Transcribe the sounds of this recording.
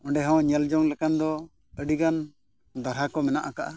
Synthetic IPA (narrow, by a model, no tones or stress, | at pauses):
ɔ̃ɳɖɛɦɔ̃ɲɛld͡ʒɔŋlɛkand̪ɔ | əɖiɡan | d̪aɾɦakɔmɛnaʔakaʔa